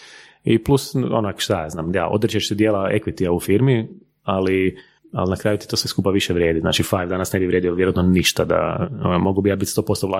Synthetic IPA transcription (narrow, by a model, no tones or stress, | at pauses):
ipluso̰nakʃt̪ajaznaːmja̰ʔo̰d̪ɾt͡ʃeʃsid̪jeːlˠaekʋit̪iaufiɾmi | ali | a̰linakɾaːjut̪it̪osʋeskuːpaʋiʃeʋɾjeːd̪izna̰ːt͡ʃifajʋd̪anasnebiʋɾjed̪ioʋjeɾoat̪noniʃt̪ad̪a̰omo̞ɡubijaːbit̪st̪oːpo̞st̪olaː